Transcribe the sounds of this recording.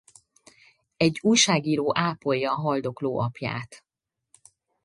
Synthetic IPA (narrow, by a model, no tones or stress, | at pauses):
ɛɟːuːjʃaːɡiːɾoːʔaːpo̞jːɒːɦɒld̪o̞kloːʔɒpja̰ːt̪